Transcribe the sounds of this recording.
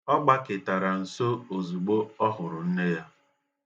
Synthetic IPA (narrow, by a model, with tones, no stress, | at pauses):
ɔ˦ɡ͡ba˦kɪ˨ta˨ɾa˨n̩˨so˦o˨zu˨ɡ͡bo˦ɔ˦ɦʊ˨ɾʊ˨n̩˦ne˦ja˦